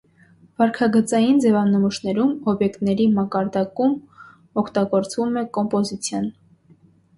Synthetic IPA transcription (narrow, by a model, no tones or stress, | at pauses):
v̥ɑɾkʰɑɡət͡sɑjind͡zɛvɑnəmuʃnɛɾumɔbjɛkt̪nɛɾimɑkɑɾd̪ɑkum | ɔkʰt̪ɑɡɔɾt͡svumɛkɔmpɔzit͡sʰjɑn